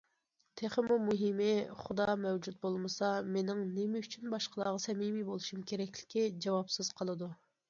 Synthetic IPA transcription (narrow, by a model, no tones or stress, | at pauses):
t̪ʰeχəmumuɦɪmɪχʊd̪ɑmɛwd͡ʒut̪̚bolˠmɨsɑmenɪŋnɪmɪyt͡ʃʰynbɑʃqəlˠɑːʁɑsɛmimibolˠuʃumkʲʰeɾɛkʲlɪ̥kʲʰid͡ʒɑwɑpsɨz̥qʰəlˠɨd̪u